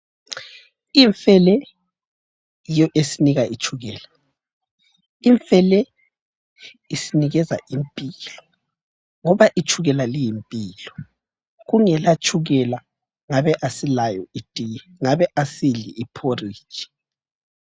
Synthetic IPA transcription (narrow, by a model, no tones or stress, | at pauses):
iɱfɛlɛ | jijɔʔesiniɣait͡ʃʰʼuɣɛːla | iɱfɛlɛ | isiniɣɛza̰ʔimpʼilɔ | ŋɔβaʔit͡ʃʼʰuɣɛlalijimpʼiːlɔ | ɣuŋɛlat͡ʃʼʰuɣɛla | ŋaβɛʔasilajɔidʼʱijɛ | ŋaβɛʔasiɮḭːpʰori̥ːt͡ʃʼi̥